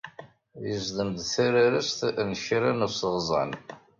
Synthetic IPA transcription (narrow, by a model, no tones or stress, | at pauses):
jəzd̪əmd̪θæɾaɾæst̪nçɾanəsʁzˤɑ̰n